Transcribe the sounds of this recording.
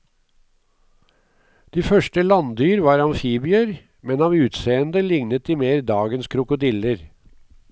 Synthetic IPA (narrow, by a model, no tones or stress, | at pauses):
d̪̥iːfœʂʈəlɑnd̪yːɾʋɑːɾɑnfiːbɪəɾ | mɛnɑːʋʉːt̪seːənd̪əlɪŋnət̪̚d̪iːmeːɾd̪ɑːɡənskʰɾʊkʊd̪ɪləɾ